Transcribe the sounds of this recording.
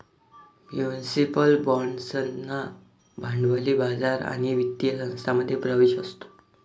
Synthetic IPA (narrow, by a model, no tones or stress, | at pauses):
mjunisipəlbɔɳɖsənːa | bʱaɳɖʋəliːbad͡zaɾa̰ɽ̃iʋit̪ːiəsəŋ̃st̪ʰaməd̪ʱːjepɾəʋeɕəst̪o̥